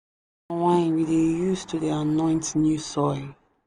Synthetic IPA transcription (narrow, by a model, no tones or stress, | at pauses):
wãɪ̃nwidejustʰuðianɔ̃ɪ̃ntnjusɔɪl